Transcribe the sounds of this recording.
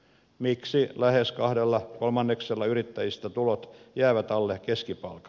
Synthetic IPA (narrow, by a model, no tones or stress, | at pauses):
miksilæheskɑhdelːɑkolmɑnːekselːɑyrit̪ːæjist̪æt̪ulot̪jæːʋæt̪ɑlːekeskipɑ̰lkɑ̥